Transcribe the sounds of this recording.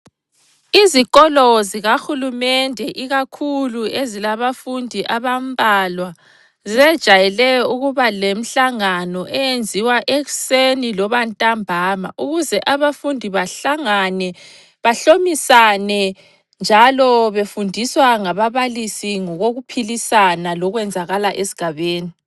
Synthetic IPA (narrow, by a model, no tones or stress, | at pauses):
izikʼɔlɔziɣaxulumɛndʱɛʔiɣakʰuluezilaβafundʱiʔaβam̩bʱalwa | zɛd̥ʒ̥ʱajɛlɛjɔuɣuβalem̩ɬaŋanɔʔɛjend͡zʱiwaʔeɣusenilɔβantʼambʱama̰ʔuɣuzɛʔaβafundʱiβaɬaŋanɛ | βaɬomisanɛ | nd͡ʒʱalɔβefundʱiswaŋaβaβalisiŋɔɣoɣupʰilisanalɔɣwɛnd͡zʱaɣalaʔesi̥ɡ̥ʱaβeːni